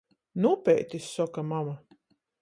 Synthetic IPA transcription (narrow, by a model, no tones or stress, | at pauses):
nuːpɛjt̪isːɔkamama